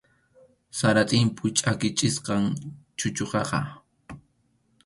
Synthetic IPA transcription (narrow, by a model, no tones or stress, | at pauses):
saɾat̪ʼɪmpʊt͡ʃʼakɪt͡ʃʼɪsqɑŋt͡ʃʊt͡ʃoqɑqɑ̰